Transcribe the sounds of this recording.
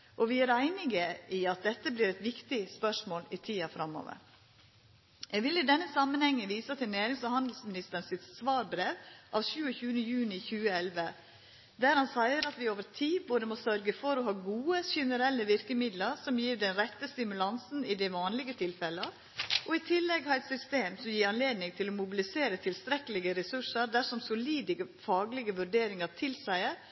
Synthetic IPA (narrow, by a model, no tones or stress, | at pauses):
ʔɔʋɪæɾæɪnɪɡəʔɪɑt̪̚d̪ɛt̪ːəbliːɾɛɪt̪ʋɪkt̪ɪspœʂmoːlɪt̪ʰiːɑfɾɑmːo̰ːʋə̰ɾ | jɛɡʋɪlɪd̪ɛnːəsɑmːənhɛŋːəʋiːsət̪ɪlnæːɾɪŋsfɔɾhɑnd̪l̩smɪnɪst̪əɾɳsɪt̪sʋɑːɾbɾeːʋʔɑʋʃʉːəçʉːənəjʉːnɪçʉːəɛlʋə | d̪æɾhɑnsæɪəɾɑt̪ʋɪoːʋəɾtʰiːboːd̪əmɔsœɾɡəfɔɾɔɦɑːɡuːəɕɛnəɾɛlːəʋɪɾkəmɪd̪ləɾsɔmjiːɾd̪ɛnɾɛt̪ːəst̪ɪmʉlɑnsn̩ɪd̪ɛʋɑːnlɪɡət̪ʰɪlfɛlə | ʔɔɪt̪ʰɪlːɛɡhɑɛt̪sʏst̪eːmsɔmjiːɾɑnleːd̪nɪŋt̪ʰɪlɔmʊbɪlɪseːɾət̪ʰɪlst̪ɾɛkəlɪɡəɾɛsʉʂəɾd̪æʂɔmsʊliːd̪əɡəfɑːɡlɪɡəʋʉɾɖeːɾɪŋɑɾt̪ʰɪlsæɪəɾ